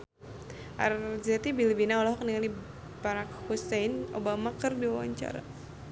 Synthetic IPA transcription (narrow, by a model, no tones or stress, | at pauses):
ʔa̰rzɛt̪ibilibinaɔlɔɦɔk̚niŋali | baɾakhusɛjno̰bamakɨrdiwawa̰ɲt͡ʃa̰ɾa̰